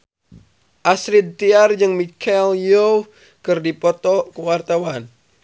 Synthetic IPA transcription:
ʔasɾid̪̚t̪iard͡ʒɨŋmikʰaljo | kɨrdipɔt̪ɔkəwart̪awan

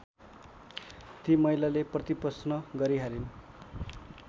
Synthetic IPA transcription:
t̪imʌjlaleprʌt̪ipʌsnʌɡʌɾiɦaɾin

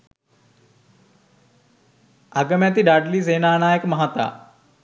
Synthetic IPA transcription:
aɡəmjat̪iɖaɖliːseːnaːnaːjekmɐɦat̪a̰

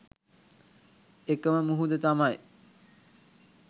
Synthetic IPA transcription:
ekəməmuɦud̪ət̪amaj

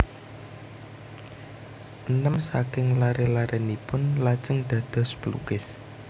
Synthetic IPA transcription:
ʔənəmsakɪŋlaɾelaɾɛnipʊnlat͡ʃəŋd̪̥ä̤d̪̥ɔ̤spəlṵkɪs

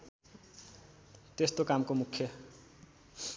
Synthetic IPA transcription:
t̪est̪okamkomukʰjʌ

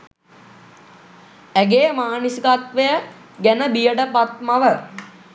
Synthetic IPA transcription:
æɡeːmaːnisikat̪ʋejə | ɡænəbijəʈəpat̪̚maʋə

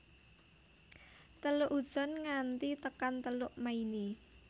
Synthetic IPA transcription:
t̪əlʊʔud̥ʒ̥ɔ̤nŋant̪it̪əkant̪əlʊʔmaini

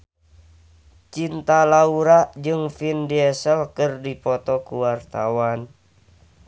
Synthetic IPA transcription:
t͡ʃint̪alauɾaʔd͡ʒɨŋfindiɛsəlkɨrdipɔt̪ɔkuwart̪a̰wan

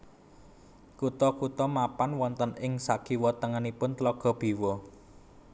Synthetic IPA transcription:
kut̪ɔkut̪ɔmapanwɔnt̪ənʔɪŋsaɡ̥i̤wɔt̪əŋanipʊnt̪lɔɡ̥ɔ̤b̥i̤wɔ

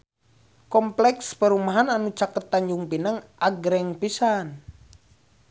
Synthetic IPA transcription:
kɔmplɛkspəɾumaɦananut͡ʃakət̪ːaɲd͡ʒuŋpinəŋʔaɡɾɛŋpisan

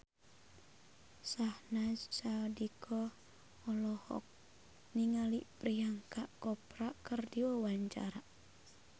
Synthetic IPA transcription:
sahnassadikʰɔ | ɔlɔhɔ̰k̚ | niŋaliʔpɾiaŋkaʔkɔpɾakərdiwɔwaɲt͡ʃa̰ɾa

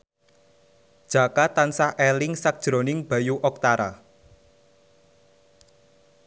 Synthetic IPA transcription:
d̥ʒ̥a̤kat̪ansahelɪŋsak̚d̥ʒ̥ɾo̤nɪŋb̥ä̤juʔɔk̚t̪aɾa̰

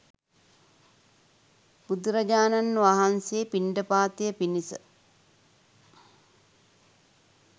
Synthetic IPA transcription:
b̥ud̪uɾɐd͡ʒaːnanːʋaɦanseːpiɳɖəpaːt̪ijəpinisə̰

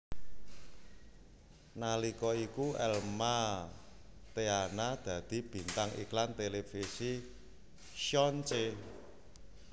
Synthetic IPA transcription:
nalikɔikuɛlma | t̪eanad̪̥ä̤d̪̥i̤b̥i̤nt̪aŋḭklant̪elefisi | ʃɔnt͡ʃe

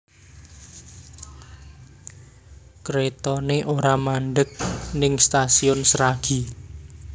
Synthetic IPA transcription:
kɾet̪ɔneʔoɾamaɳɖək̚nɪŋst̪asiʊnsɾaɡ̥i̤

